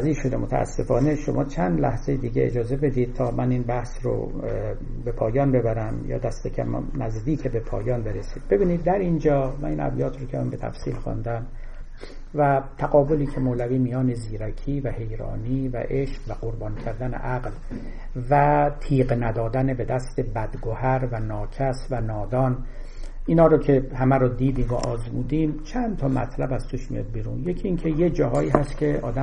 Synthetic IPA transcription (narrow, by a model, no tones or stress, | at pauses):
ziːʃo̞d̪emot̪ʰæ̰æ̰sːe̞fɒːne̞ʃo̞mʔɒːt͡ʃʰænd̪læ̰hzejed̪iːɟeḛd͡ʒɒːze̞be̞d̪iːd̪̥̚t̪ʰɒːmʔæninbæhsɾo̰ | be̞pʰɒːjɒːnbe̞bæɾæmjɒ̰ːd̪æst̪ecʰæ̰mnæzd̪iːkʰebepʰɒ̰ːjɒːnbe̞ɾesiːd̪̥̚be̞biːnid̪̚ːæɾind͡ʒɒːmæninæ̰bjɒːt̪ʰɾokʰemæmbet̪ʰæ̰fsḭːlxɑ̰nd̪æm | væt̪ʰæɣɒːboliːcʰemoːlæviːmijɒːne̞ziːɾækʰiːvæhe̞jɾɒ̰ːniːvæ̰ʔeʃqvæɢoɾbɒːnicʰæɾd̪æne̞̰ʔæɡl | væt̪ʰiːqnæd̪ɒːd̪ænebe̞d̪æst̪e̞bæd̪ɡohæɾvænɒːcʰæsvænɒːd̪ɒːn | ʔiːnhɒːɾɒcʰe̞hæmæɾɔːd̪iːd̪iːmo̰ʔɒːzmuːd̪iːmt͡ʃʰænd̪t̪ʰɒːmæ̰t̪ʰlæbæz̥t̪uʃmḭjɒ̰ːd̪̚biɾṵːnjecʰiiːŋcʰe̞jed͡ʒɒːɦɒːiːɦæst̪kcʰe̞ʔɒ̰ːd̪æ